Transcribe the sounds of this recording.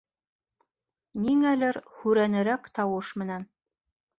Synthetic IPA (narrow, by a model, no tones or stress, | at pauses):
niŋælɘɾhʉɾænɘ̆ɾækt̪ɑwɤʃmɘ̆næn